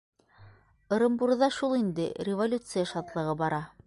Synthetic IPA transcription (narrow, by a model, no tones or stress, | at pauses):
ɤ̆ɾŏmbuɾðɑʃulˠind̪ɘrʲɪvolʲut̪sɨjaʃɑt̪lˠɤ̆ʁɤbɑɾɑ